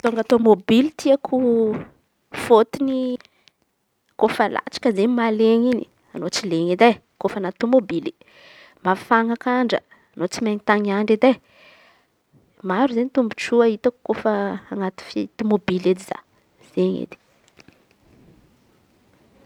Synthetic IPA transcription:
t̪oaŋɡat̪omobilit̪ʰiakʰu | fot̪ini | kofəla̰ʈ͡ʂḁkəzenimaleŋini | anot͡sileŋed̪e | kofanat̪ːomobili | mafaŋakaɳɖ͡ʐə̰ | anot͡simaŋit̪aŋiaɳɖ͡ʐid̪e | maɾuzenit̪umbuʈ͡ʂuəit̪aku̥kofəːŋat̪i̥fit̪omobiled̪iz̥a̰ | z̥eɲḛd̪i̥

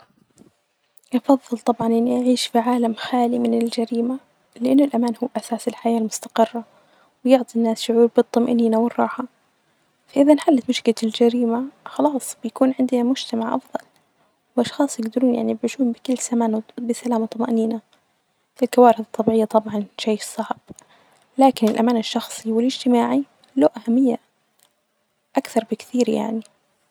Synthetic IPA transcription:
ʔɑfɑðˤːɨlt̪ˤɑbʕɑnʔɪnːiʔaʕiːʃfiʕaːlamxaːlimɪnɪld͡ʒaɾiːma | lɪʔɪnːʊlʔamaːnhuːʔasaːsɪlħajaːlmʊst̪ḁqɪrːa | wɪjʊʕt̪ˤinːaːsʃʊʕuːɾbɨt̪ˤːɑmʔniːnawɪrˤːɑːħɑ | faʔɪðanħalːat̪mʊʃkɪlaɪld͡ʒaɾiːmaxɑlɑːsˤbɪjakuːnʕɪnd̪namʊd͡ʒt̪amaʕʔɑ̰fðˤɑl | wʔɑʃxɑːsˤjɪɡd̪ɪɾuːnjaʕnibʕiːʃuːnbɪkɪlːsamaːnbɪsalaːmat̪ˤːɑmaʔniːna | ɪlkawaːɾɪθɨt̪ˤːɑbiːʕɪjːat̪ˤɑbʕɑnʃajːsˤɑʕb̥̚ | laːkɪnɪlʔamaːnɪʃːɑxsˤiwɪlɪd͡ʒt̪ɪmaːʕi | loːʔahamːɪjːa | ʔakθɑɾˤbɪkθiːɾja̰ʕni

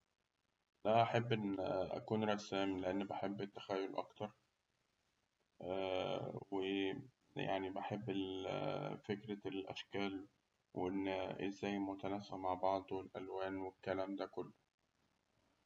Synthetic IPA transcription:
d̪æʔaħebːʔenːʔæ̰kuːnɾˤɑsæːmleʔanːbaħebːɪt̪ːæ̥xæjːolʔɑ̰kt̪ɑɾˤ | we | ja̰ʕnibaħebːe | fekɾælʔæ̰ʃkæːl | weʔenːʔɪzːæːjmʊt̪ænæːfɪʔmaʕbɑʕd̪ˤelʔælwæːnwekːælæːmd̪ækʊlːʊ

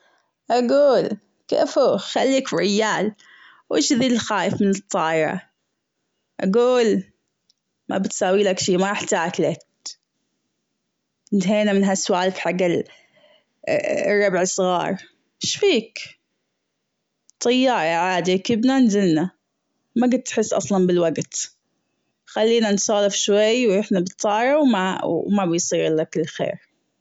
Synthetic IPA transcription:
ʔaɡuːl | kḛːfhuːxalːiːkɾɪjːaːl | wʔḛːʃðiːllxaːjɪfmɪnɨt̪ˤːɑːʔɾˤɑ̰ | ʔaɡuːl | mʔa̰bɪt̪sawːiːlakʃiːmaʔɪħt̪aːkla | nt̪ɦeːnamɪnɦasːwaːlfħaɡːɪ | rˤːɑbʕsˤɣɑ̰ːɾˤ | ʃfiːk | t̪ˤːɑjːɑːɾˤɑʕaːd̪ikɪbnanzɪlna | maɡɪt̪ːħɪsːʔɑ̰sˤlɑnbɪlwaɡt̪ | xalːiːnansˤɑːlɪfʃwajːwʔɪħnabɨt̪ˤːɑːɾˤɑwmamabjsˤiːɾɪlakɪlːxḛːɾ

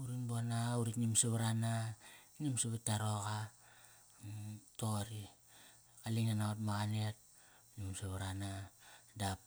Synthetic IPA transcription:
uɾinbonauɾitnimseβaɾananimseβetːaɾoka | toɾi | kaliŋanaotmaɡanet̚ | nimseβaɾanadap

